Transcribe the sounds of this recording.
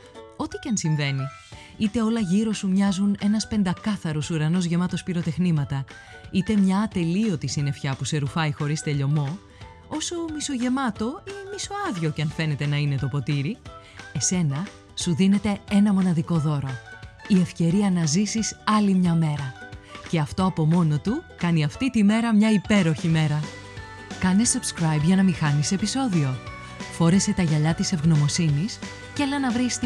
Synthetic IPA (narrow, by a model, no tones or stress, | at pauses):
o̞t̪i̥cɐnsiɱve̞ni | it̪e̞o̞lɐʝiɾo̞sumɲɐzune̞nɐspe̞nd̪ɐkɐθɐɾosuɾɐno̞zʝe̞mɐt̪o̞spiɾo̞t̪e̞xnimɐt̪ɐ | it̪e̞mɲɐːt̪e̞lio̞t̪isine̞fçɐpuse̞ɾufɐixo̞ɾist̪e̞ʎo̞mo̞ | o̞so̞miso̞ʝe̞mɐt̪o̞imiso̞ɐðʝo̞cɐnfe̞ne̞t̪e̞nɐine̞t̪opo̞t̪iɾi | e̞se̞nɐ | suðine̞t̪e̞e̞nɐmo̞nɐðiko̞ðo̞ɾo̞ie̞fce̞ɾiɐnɐzisisɐlimɲɐme̞ɾɐce̞ɐft̪o̞ɐpo̞mo̞no̞t̪ukɐniɐft̪it̪ime̞ɾɐmɲɐipe̞ɾo̞çime̞ɾɐ | kɐnesub̥skɾɐjbʝɐnɐmixɐnisepiso̞ðio̞ | fo̞ɾe̞se̞t̪ɐʝɐʎɐt̪ise̞vɣno̞mo̞sinis | celɐnɐvɾist̪i